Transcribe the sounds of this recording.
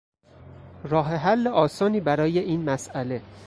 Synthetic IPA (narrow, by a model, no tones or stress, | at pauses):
ɾɒːɦeɦælːeʔɒːsɒːniːbæɾɒːje̞ʔiːnmæsæle̞